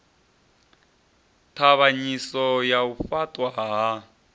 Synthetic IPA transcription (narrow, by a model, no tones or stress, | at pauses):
tʰaβaɲisɔjaufatʼwaɦa